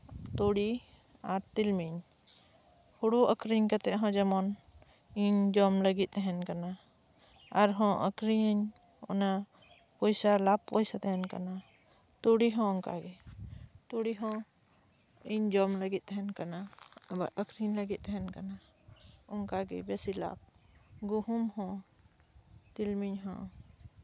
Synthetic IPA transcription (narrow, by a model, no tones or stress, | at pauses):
t̪oɽi | aɾt̪ilmiɲ | huɽuʔəkɾiɲkat̪ɛʔɦɔ̃d͡ʒəmɔn | iɲd͡ʒɔmləɡit̪̚ˀɛɦɛnkana | aɾɦɔ̃ʔə̰kɾiɲ | ɔ̰na | pɔjsalap̚pɔjsat̪ɛɦɛnka̰na | t̪uɽiɦɔ̃ɔŋka̰ɡɛt̪uɽiɦɔ̃ | iɲd͡ʒɔmləɡit̪̚ˀɛɦɛnkanabaɾəkɾiɲləɡit̪̚ˀɛɦɛnkana | ɔŋkaɡɛ̰bɛsila̰b̚ɡuhumhɔ̃ | t̪ilmiɲɦɔ̰̃